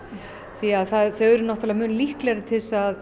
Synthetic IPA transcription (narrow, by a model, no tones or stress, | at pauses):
θiaðθaðθœɛɾʏnɔht̪alɛɣamʏːnlihklɛɾɪt̪ʰɪlsað